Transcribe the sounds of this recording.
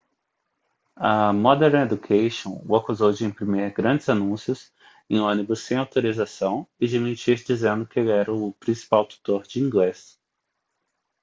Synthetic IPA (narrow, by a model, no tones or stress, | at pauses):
ɐmɔd̪ɛɾned̪ukʰejʃõw̃ʊakuzowd͡ʒɪẽpɾimeɾɡɾɐ̃d͡ʒɪzanũsjʊs | ẽj̃õnibʊsːẽj̃awt̪oɾizasɐ̃w̃ɪd͡ʒɪmĩt͡ʃiɾd͡ʒizẽnd̪ʊkɪelɛɾɐʊpɾĩsi̥pawt̪u̥t̪oɾd͡ʒɪĩŋɡles